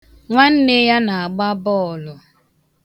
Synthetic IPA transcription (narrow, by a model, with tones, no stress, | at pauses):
ŋʷa˦n̩˦ne˦ja˦na˨a˨ɡ͡ba˦bɔ˦˨lʊ˨